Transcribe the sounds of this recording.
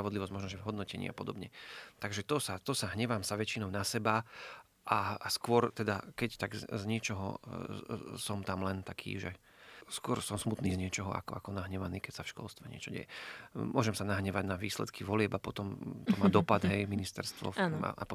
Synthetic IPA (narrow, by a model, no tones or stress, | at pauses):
ɾaʋɔd̪liʋɔzɟmɔʒnɔʒɛvɦɔd̪nɔcɛɲḭːapɔd̪ɔbɲɛt̪aɡʒɛt̪ɔsat̪ɔsaɦɲɛʋamsaʋɛt͡ʃinɔʊnasɛba | ʔaːskʊɔɾt̪ɛd̪akɛct̪aɡzɲɛt͡ʃɔɦɔ̰ | sɔmt̪amlɛnt̪akʰḭːʒɛ̰ | skʊɔɾsɔmsmut̪niːzɲɪɛt͡ʃɔɦɔa̰kɔakɔnaɦɲɛʋaniːkɛcsafʃkɔ̰lst̪ʋɛɲɪɛ̰t͡ʃɔɟɛ̰jɛmʊɔʒɛmsanaɦɲɛʋaɟnaʋiːslɛ̰t̪kʰiʋɔlɪɛbapɔt̪ɔmt̪ɔmaːd̪ɔpad̪ɦɛjminist̪ɛ̰ɾst̪ʋɔ̰ana̰ʔa̰pɔ